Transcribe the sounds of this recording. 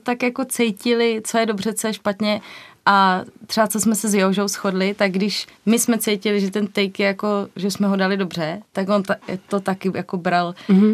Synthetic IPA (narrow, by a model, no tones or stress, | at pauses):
t̪akjako̞t͡sɛjcɪlɪt͡sojɛdo̞br̝ɛt͡sojɛʃpat̪ɲɛʔat̪r̥ɛat͡sosmɛsɛzjɛɦoʒowsxodlɪt̪aɡ̚ɡdɪʃmɪsmɛt͡sɛjcɪlɪʒɛt̪ɛnt̪ɛjkjɛjako̞ʒɛsmɛɦodalɪdobr̝ɛt̪akont̪a̰t̪ot̪akɪjakobɾal